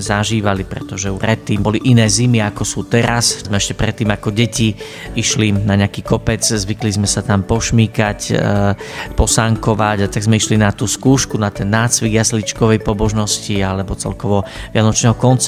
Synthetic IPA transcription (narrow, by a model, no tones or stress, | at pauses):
zaʒiːʋalipɾɛ̰t̪ɔʒɛupɾɛt̪ːiːmbɔliʔinɛːzimiakɔsuːt̪ɛɾaszmɛɛʃcɛpɾɛt̪ːiːmakɔɟɛci | iʃlinaɲɛakiːkɔpɛd͡zzʋiklizmɛsat̪ampɔʃmiːkac | pɔsaŋkɔʋaɟat̪aɡzmɛiʃlinat̪uːskuːʃkunat̪ɛnːaːt͡sʋiɡjaslit͡ʃkɔʋɛjpɔbɔʒnɔscialɛbɔt͡sɛ̰lkɔʋɔʋɪanɔt͡ʃnɛɦɔkɔnt͡s